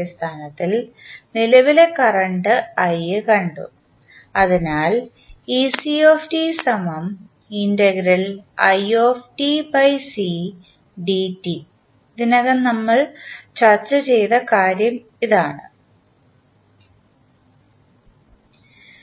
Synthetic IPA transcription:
st̪ʰaːnɐt̪ːilnilɐʋile̞kɐrɐɳɖɨɐjɨkɐɳɖṵ | ɐðinaːl | iːsioːfʈisɐmɐm | indɐɡɾɐlɐjoːfʈipɐjsi | ɖitːi | d̪inɐɣɐnnɐmːɐɭt͡ɕɐrt͡ɕːɐt͡ɕe̞jt̪ɐkaːɾjɐm | iðaːɳɨ̰

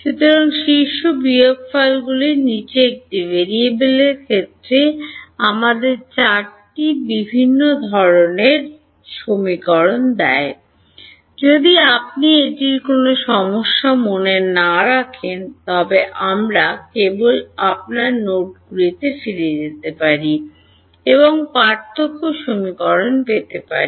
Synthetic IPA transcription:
ʃut̪ɔɾonʃiʃːobiokfajlɡulinit͡ɕeek̚ʈibeɾiebeleɾkʰet̪ːɾeamad̪eɾt͡ɕaɾʈibibʱinːod̪ʱɔɾoneɾ | ʃomikɔɾond̪ɛe | d͡ʑod̪iap̚nieʈiɾkonoʃɔmoʃːamonenaɾakʰent̪ɔbeʔamɾakebolap̚naɾnoʈ̚ɡuɾit̪efiɾed͡ʑet̪epaɾi | eboŋpaɾt̪ʰːokːoʃomikɔɾonpet̪epa̰ɾi

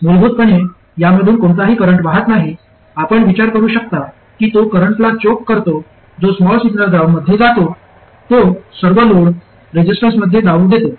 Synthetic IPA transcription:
molbʱuːt̪̚pəɳ̃e | jaməɽ̤uːnkoɳt̪aɦiːkəɾəɳʈʋaɦət̪naɦi | apəɳʋit͡ɕaɾkəɾuːɕək̚t̪a | kiːt̪okəɾəɳʈlat͡ɕokːəɾt̪o | d͡zosmɔlsiɡnəɾɡ̪ɾaʋməd̪ʱjed͡zat̪o | t̪osəɾʋəloɽ | ɾed͡ʑisʈə̃nsməd̪ʱːjed̪aud̪et̪o

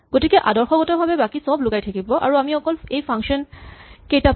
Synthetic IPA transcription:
ɡ̥otikɛʔadɔɹxɔɡɔtɔbʱabɛbakisɔblʊɡajtʰakibɔʔa̰ɹuamiɔkɔlejpʰaŋkʃɔnkejta

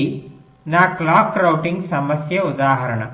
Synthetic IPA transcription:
i | naːklaːkːɾɐwʈiŋɡsɐmɐsjɐud̪aːɦɐɾɐɳɐ̰

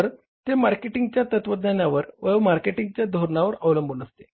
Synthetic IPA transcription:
əɾ | t̪emaɾkeʈiŋɡt͡ɕjat̪ət̪ʋəd̪nanjaʋəɾʋəmaɾkeʈiŋɡ̚t͡ɕjad̪ʱoɾɳaʋəɾəʋləmbʱunəst̪e̥

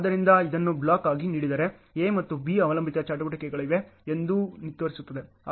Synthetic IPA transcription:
d̪ɐɾind̪ɐid̪ɐnːubɭaːkaːɡiniːɽid̪ɐːɾe̞emɐt̪ːubiɐʋɐlɐmbʱit̪ɐt͡ʃaːʈɐʋɐʈɐkɛɡɐɭiʋe̞end̪unit̪ːʋɐɾisut̪ːɐd̪e̞ | a

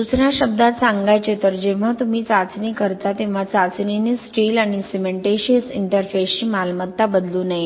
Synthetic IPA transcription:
dut͡sɳaɕəb̚d̪at̪saŋɡajt͡ɕet̪əɾd͡ʑeʋ̤at̪um̤iːt͡sat͡snikəɾt̪at̪eʋ̤at͡sat͡sninesʈiːlaɽ̃isimeɳʈeɕesiɳʈəɾfest͡ɕiːmalmət̪ːabəd̪luːnaɦj

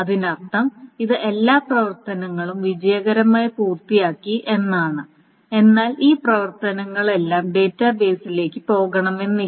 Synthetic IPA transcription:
ɐðinɐrt̪ɐmiðɨʔe̞lːaːprɐʋɐrt̪ɐnɐŋːɐɭumʋid͡ʑɐjɐɣɐɾɐmaːjɐpuːrt̪ijaːkːiʔe̞nːaːɳɨ | e̞nːaːlʔiːprɐʋɐrt̪ɐnɐŋːɐɭe̞lːaːmɖe̞ːtːaːbe̞ːsile̞ːkːɨpo̞ːɣɐɳɐme̞nːi

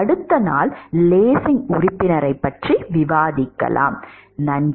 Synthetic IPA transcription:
ɐɽɯt̪ːɐna̰ːlleːsɪŋʊrɪpːɪnɐɾɐɪpːɐʈriʋɪʋaːðɪkːɐ̰la̰ːmnɐn

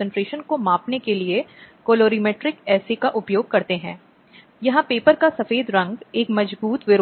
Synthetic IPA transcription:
sə̃ɳʈɾeːʃənkomaːpnekeliekoːloːɾimeːʈɾɪkɛːsekaʔʊpjoːɡ̚kɐɾt̪eɦɛ̰̃ː | jɐɦãpeːpəɾkasɐfeːd̪ɾɐ̃ŋɡeːkmɐd͡ʒbuːt̪ʋɪɾ

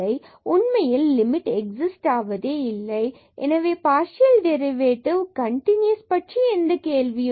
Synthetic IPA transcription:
ɐɪ | ʊnmɐjɪlːɪmɪʈɛk̚sɪsʈaːʋɐðeːɪlːɐɪ | ʔɛ̰nɐʋeːpaːɾsɪjɐlɖɛɾɪʋeːʈɪʋkɐɳʈɪnjɐspɐʈʂiɛnd̪ɐkeːɭʋɪjɯ

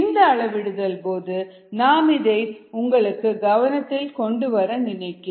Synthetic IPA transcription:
nd̪ɐːɭɐʋɪɽɯðɐlpoːðɯ | naːmɪðɐɪʊŋɡɐɭɯkːɯɡɐʋɐnɐt̪ːɪlkɔɳɖɯʋɐɾɐnɪnɐɪkːɯ

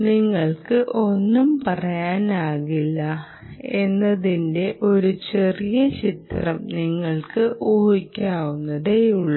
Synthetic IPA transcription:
niŋːɐɭkɨʔo̞nːumpɐrɐjaːnaːɣilːɐ | e̞nːɐðinde̞ʔo̞ɾut͡ɕe̞rijɐt͡ɕit̪rɐmniŋːɐɭkɨoːɦikʲːaːɣunːɐðeuɭːɐ

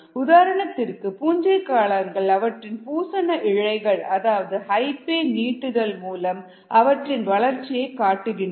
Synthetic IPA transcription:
ʊðaːɾɐɳɐt̪ːɪrkɯpuːɲd͡ʒɐɪkːaːlɐŋɡɐɭɐʋɐʈrɪnpuːsɐnɐʔɪɻɐɪɣɐɭɐðaːʋɐðɯhɐɪpeːniːʈːɯðɐlmuːlɐm | ʔɐʋɐʈrɪnʋɐɭɐɾt͡ʃːɪjɐɪkːaːʈːɯɣɪɳ

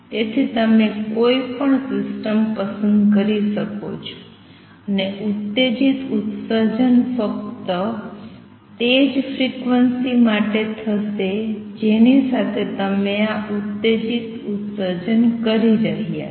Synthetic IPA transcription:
t̪et̪ʰit̪əmekoipəɳsɪsʈəmpəsə̃nd̪kəɾiʃəko̰t͡ʃʰo̥ | əneut̪ːed͡ʒit̪ut̪səd͡ʒənfəkt̪ə | t̪ed͡ʒfʰɾikʋənsimaʈet̪ʰəsed͡ʒenisat̪ʰet̪əmeaut̪ːed͡ʒit̪ut̪səd͡ʒənkəɾiɾəɦija̰

